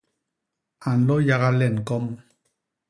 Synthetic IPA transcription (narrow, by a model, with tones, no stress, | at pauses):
a˨n̩˨lɔ˦ja˦ɣa˦lɛ˦˨n˨kɔ˦m